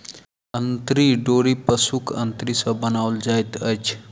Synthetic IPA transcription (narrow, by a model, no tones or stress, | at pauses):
ənt̪ɾiɖoɾipəsukʰə̰nt̪ɾisəbənawld͡ʒajt̪ət͡ʃʰ